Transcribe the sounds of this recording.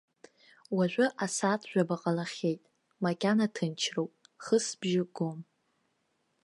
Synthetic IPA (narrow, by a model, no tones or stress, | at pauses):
waʒᶣʷʊʔasatʰʒᶣʷabaqʼalaχʲe̞jtʼ | makʲʼanatʰɨnt͡ʃʰrowpʼχəsbʒɪɡom